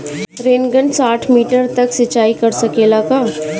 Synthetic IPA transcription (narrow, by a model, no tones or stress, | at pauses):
ɾeːnɡə̃nsaːʈʰmiːʈəɾt̪ɐksɐt͡ʃːaːikɐɾsɐkeːlakaː